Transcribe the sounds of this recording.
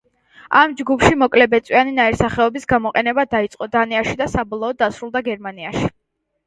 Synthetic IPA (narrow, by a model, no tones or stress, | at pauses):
amd͡ʒɡupʃimɔkʼlɛbɛt̪sʼwianinaiɾsaχɛɔbisɡamɔqʼɛnɛbad̪ait̪sʼqʼɔd̪aniaʃid̪asabɔlˠɔɔd̪ːasɾulˠd̪aɡɛɾmaniaʃi̥